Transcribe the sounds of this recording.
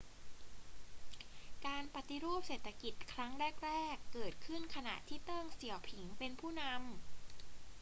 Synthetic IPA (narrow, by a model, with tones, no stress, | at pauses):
kaː˧npa˨˩t̪i˧ɾu˥˩əp̚seː˨˩t̪ʰːa˧ki˨˩t̪̚kʰɾa˦˥ŋɾɛː˥˩k̚ɾɛː˥˩kːɤː˨˩t̪̚kʰɯ˥˩nkʰa˧na̰˨˩ʔt̪ʰiː˥˩t̪ɤː˥˩ŋsi˩˦əwpʰi˩˦ŋpe˧npʰuː˥˩na˧˥m